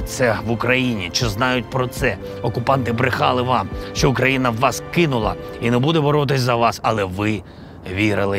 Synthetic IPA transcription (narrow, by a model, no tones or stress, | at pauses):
t̪sɛʋʊkɾɐjinʲit͡ʃɔznɑjʊt̚ʲpɾɔt̪sɛ | ɔkʊpɑnt̪ɪbɾɪxɑlˠɪʋɑmʃt͡ʃɔʊkɾɐjinɐwːɑskɪnʊlˠɐ̰inɛbud̪ɛbɔɾɔt̪̬ɪsʲzɐʋɑsɐlˠɛʋɪ | ʋʲiɾɪlˠɪ